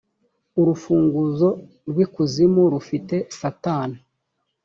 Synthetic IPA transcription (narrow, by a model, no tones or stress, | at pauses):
uɾufuːŋɡuzo̞ | ɾwikuzimuɾufite̞sataːna